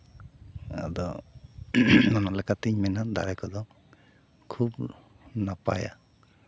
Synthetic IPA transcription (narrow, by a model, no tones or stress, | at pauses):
a̰d̪ɔ | nɔnalɛkat̪iɲmɛnad̪a̰ɾɛkɔd̪ɔ | kʰub | napa̰ja̰